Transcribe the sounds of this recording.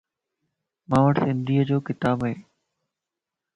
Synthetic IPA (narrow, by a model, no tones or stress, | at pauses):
mãːʋəʈsɪ̃nd̪iːəd͡ʑoːkɪt̪aːbaɦeː